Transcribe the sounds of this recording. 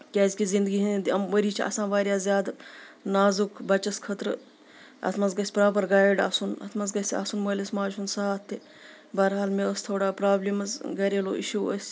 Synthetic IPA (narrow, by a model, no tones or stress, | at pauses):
kʲaːzʲkizind̪əɡiːɦɐnd̪iɐmʋəɾiːt͡ʃʰiɐ̰sãːʋaːɾjaːzjaːd̪naːzukʰbɐt͡ʃɐskʰɐt̪ɾ | ɐ̰t̪ʰmɐzɡɐsʲpɾaːpɐɾɡaːjɖa̰ːsunɐ̰t̪ʰmɐzɡɐsʲa̰sunmɐlɐsmaːd͡ʒɦunsaːt̪ʰːe | bɐːɾɦaːlmeəst̪ʰoːɽaːpɾaːblimɐsɡɐɾeːlo̰ːʔiʃuːə̰sʲ